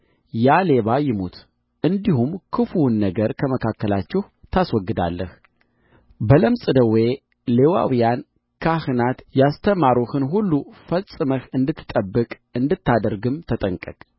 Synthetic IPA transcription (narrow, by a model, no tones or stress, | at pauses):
jale̞βajɪmut̪ | ʔɨnd̪ihumkʰɨfunːəɡəɾkʰəməkʰakːəlat͡ʃːɛh | t̪ʰaswɔɡːɨd̪a̰lːəh | bələmsʼɨd̪əwe̞ | lewa̰wijan | kʰahɨnat̪jast̪ʰəmaɾuhɨnɦulːufəlsʼɨməhɨnd̪ɨt̪ʰːɨ̥t̪ʼəbːɨkʼ | ɨnd̪ɨt̪ːad̪əɾɡɨmt̪ʰət̪ʼəŋkʼəkʼ